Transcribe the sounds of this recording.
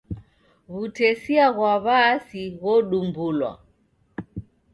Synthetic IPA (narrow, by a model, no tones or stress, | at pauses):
ɣutɛsiaɣwaβasiɣɔɗumbulwa̰